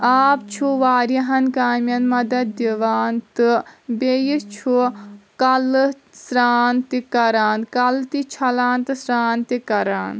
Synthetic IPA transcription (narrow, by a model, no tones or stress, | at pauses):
aːp̚t͡ʃʰuʋaːɾiɦɐnkaːmjɐnmɐd̪ɐt̪̚d̪iʋaːnt̪ɨbejit͡ʃʰukɐlɨ | sɾaːnt̪ikɐɾaːnkɐlt̪it͡ʃʰɐlaːnt̪ɨsɾaːnt̪ikɐɾaːn